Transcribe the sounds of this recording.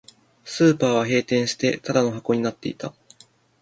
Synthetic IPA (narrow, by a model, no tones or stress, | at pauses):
sɨːpaːβaɦe̞ːt̪ẽ̞ɰ̃ɕi̥t̪e̞t̪ad̪ano̞ɦako̞ɲ̟inat̪ːe̞̰it̪a